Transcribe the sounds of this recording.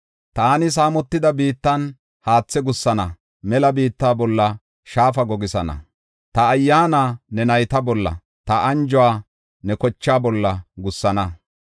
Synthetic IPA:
t̪aːnɪs̬aːmɔt̪ːɪd̪ɐbiːt̪ːɐn | haːt͡sːɛɡʊsːɐnɐ | mɛlɐbiːt̪ːaːbɔlːɐ | ʃaːfɐɡɔɡɪsɐnɐ̰ | t̪ɐːjːaːnaːnɛnɐjt̪ɐbɔlːɐ̰ | t̪ɐʔɐnd͡ʒɔwaː | nɛkɔt͡ʃːaːbɔlːɐɡʊsːɐnɐ

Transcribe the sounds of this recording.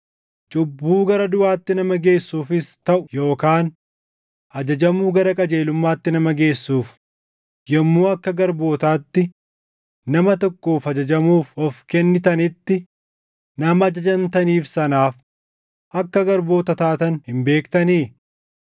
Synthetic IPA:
t͡ʃʼʊbːuːɡɐɾɐd̪ʊʔaːt̪ːɪnɐmɐɡe̞ːsːuːfɪst̪ɐʔʊjo̞ːkaːn | ʔɐd͡ʒɐd͡ʒɐmuːɡɐɾɐkʼɐd͡ʒe̞ːlʊmːaːt̪ːɪnɐmɐɡe̞ːsːuːf | jɛmːuːɐkːɐɡɐɾbo̞ːt̪aːt̪ːɪ | nɐmɐt̪ɔkːoːfɐd͡ʒɐd͡ʒɐmuːfɔfkɛnːɪt̪ɐnɪt̪ːɪ | nɐmɐːd͡ʒɐd͡ʒɐnt̪ɐniːfsɐnaːf | ʔɐkːɐɡɐɾbo̞ːt̪ɐt̪aːt̪ɐnhɪmbe̞ːkt̪ɐniː

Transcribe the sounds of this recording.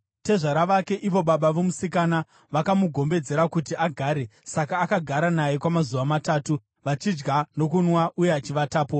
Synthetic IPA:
te̞ʐaɾaʋake̞ʔiʋo̞ɓaɓaʋomusikana | ʋakamuɡʱo̞mbe̞d͡ze̞ɾakutiaɡʱaːɾe̞sakaːkaɡʱaɾanaje̞kwamazuʋamataːtu | ʋat͡ʃid͡ʒɡano̞kunwaʔuje̞at͡ʃiʋataːpo̞

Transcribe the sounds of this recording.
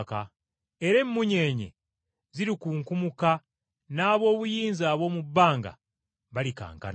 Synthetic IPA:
ka | e̞ɾe̞mːuɲe̞ːɲḛ | ziɾikuŋkumuka | naːβo̞ːβujiːnzaːβo̞ːmubːaːŋɡa̰ | βalika̰ːŋka̰n

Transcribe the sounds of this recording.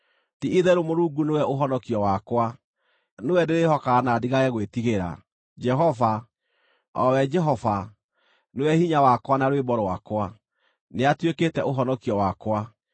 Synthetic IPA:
tiiðɛɾomoɾuːɡunewɛʔoɦɔnɔkiɔwakwa | newɛdeɾehɔkaːnadiɣaɣɛɣwetiɣeɾa̰ | d͡ʒɛɦɔva | ɔwɛd͡ʒɛɦɔva | newɛhiɲawakwanaɾwebɔɾwakwa | neatweketɛʔoɦɔnɔkiɔwakwa

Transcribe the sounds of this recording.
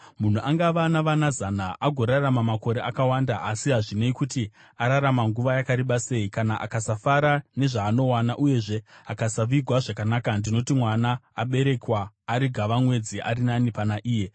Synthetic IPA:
mun̤uʔaŋɡaʋanaʋanazanaʔaɡʱo̞ɾaramamako̞ɾe̞ʔakawandaʔasiɦaʐineikuti | aɾaɾamaŋɡuʋajakaɾiɓase̞ikanaʔa̰kasafaɾane̞ʐaːno̞wanaʔuje̞ʐe̞akasaʋiɡʱwaʐakanakandino̞timwanaːɓe̞ɾe̞kwaː | ɾiɡʱaʋamwe̞d͡ziʔa̰ɾinanipanaʔiːje̞

